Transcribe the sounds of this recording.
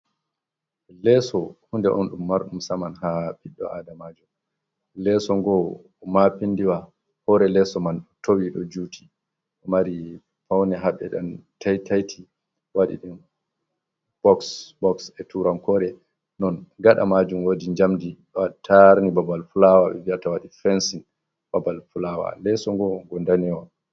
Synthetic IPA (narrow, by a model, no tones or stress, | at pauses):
lɛsɔhundɛʔɔ̰nɗumːaɾɗumsamanhapiɗːɔ̰adamad͡ʒum | lɛsɔŋɡɔ | mapindiwa | hɔɾɛlɛsɔmantʰowiɗɔ̰d͡ʒutʰi̥ | ɗɔmaɾi | fawnɛɦaɓɛ̰ɗantʰajtajtʰi | waɗḭɗim | b̥ɔksbɔksɛtuɾamkɔɾɛ | nɔnɡaɗa̰mad͡ʒumwodiɲd͡ʒamdiɗɔatʰaɾnibabalfulawaɓɛ̰viatawaɗifɛnsin | b̥abalfulawa̰lɛsɔŋɡɔɡɔndanɛwa